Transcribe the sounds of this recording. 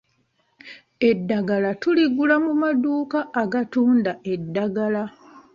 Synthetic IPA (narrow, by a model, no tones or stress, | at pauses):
e̞dːaɡalatuliɡulamumaduːkaʔːɡatuːndae̞dːaɡala